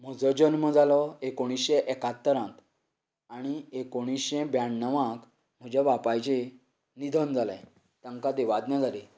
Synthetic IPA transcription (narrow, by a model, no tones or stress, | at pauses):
m̤əd͡zɔd͡ʑənməd͡zalɔekoɽ̃isɕẽʔekat̪ːəɾãt̪ | aɽ̃iekoɽ̃isɕẽbjãɳnəʋãk | m̤əd͡ʑaʋapajt͡ɕe | nid̪ʱənd͡zalə̰̃j | t̪jãŋkad̪eʋad̪nãd͡zʱale